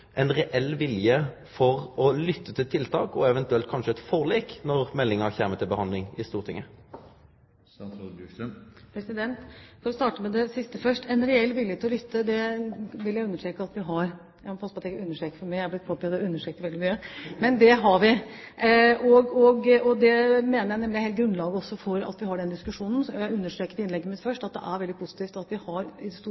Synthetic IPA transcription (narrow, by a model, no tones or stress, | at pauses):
ʔɛnɾɛʔɛlːʋɪljə | fɔʁɔlʏt̪ːət̪ʰɪlt̪ʰɪlt̪ʰɑ̰ːkɔɛʋɛnt̪ʉɛlt̪̚kʰɑnʂəɛt̪fɔʁliːknɔʁmɛlːɪŋəçæːmət̪ʰɪlbəhɑnd̪lɪŋɪst̪uːʁt̪ʰɪ̰ŋːə | pʰɾɛsɪd̪ɛnt̪fɔɾɔst̪ɑːʈəmɛd̪ɛsɪst̪əfœʂʈɛnɾɛɛlʋɪlːjəet̪ɪlɔlʏt̪ʰːəd̪ɛʋɪljæɪʉnːəʂʈɾeːkəɑt̪ʋɪɦɑɾ | jæmpʰɑsəpɑt̪ʰːɛɡʉnːəʂʈɾeːkə̥fɔɾmææhɑb̪ɪt̪pʰopʰɛɑt̪̚d̪ɛʉnːəʂʈɾeːkəɾʋɛld̪ɪmyːəmɛnd̪ɛɦɑɾʋɪ | ʔɔɡɔɡɔd̪ɛmeːnəɾjæɪɛmlɪheɛlt̪ɡɾʉnlɑːɡəɔsːɔfɔɾɑ̰t̪ʋɪhɑɖɛnd̪ɪskʉʂuːnn̩sjæɪʉnːəʂʈɾeːkəɾɪnlɛɡːəmɪd̪fœʂʈɑt̪̚d̪ɛ̰ʔæɾʋɛlɪpʰʊsɪ̥t̪iːft̪ɑt̪ʋɪhɑɾɪd̪ɛst̪u